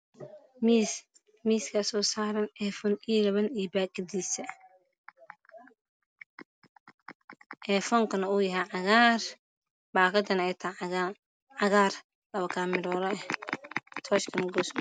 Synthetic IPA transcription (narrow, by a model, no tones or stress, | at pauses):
m | miːskʰɐsɔːsaːɾɐnɛːfɔnilɐβɐnibaːɡd̪iːsɐ | ʔɛːfɔŋkʰɐnɐuːjɐɦɛjʕɑɣaːr | baːkʰɐd̪ɐnɛjt̪ʰaa | ʕɑɣaːr | lɐβɐkʰaːmɪɾɔːlɔɛ | t̪ʰɔːʃkʰɐnɡɔːs